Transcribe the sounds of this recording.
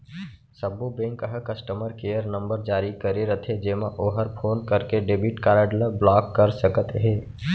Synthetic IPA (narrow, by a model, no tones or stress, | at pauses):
səbubẽːŋkəɦəkɐsʈəməɾkeːjəɾnə̃mbəɾd͡ʒaːɾikəɾeɾət̪ʰed͡ʒeːmaʔoːɦəɾpʰoːnkəɾkeɖebiʈkaːɾəɖləblaːkːəɾsəkət̪ɦeː